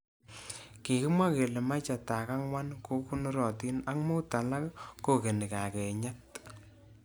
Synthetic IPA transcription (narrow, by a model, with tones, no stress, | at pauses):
ki˨kɪ˦mwa˦ke˨le˨ma˦t͡ʃa˨ta˨ka˦ŋwa˦nko˦ku˦nɔ˦ɾɔ˨ti˦na˦kmo˦ta˨la˦kko˦ke˨ni˨ka˨kɛ˨ɲa˦t